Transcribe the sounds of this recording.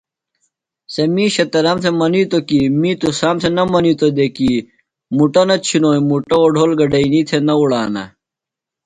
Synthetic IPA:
sɐmiːɕɐt̪ɐɾɐmsemɐnit̪okimĩːt̪usaːmsenɐmɐnit̪od̪eki | muʈɐnɐt͡ɕʰinoːjmuʈɐoɖʱoːlɡɐɖɐinit̪ʰenɐuɽaːnɐ̰

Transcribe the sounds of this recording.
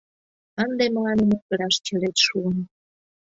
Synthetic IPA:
ɑnd̪eməlɑneməkə̆ɾɑʃt͡ɕəɾet̪ʃuən

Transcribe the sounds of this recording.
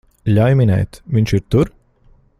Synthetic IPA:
ʎʲajmʲinɛ̰jt̪vʲiɲʲt͡ʃiɾt̪uɾ

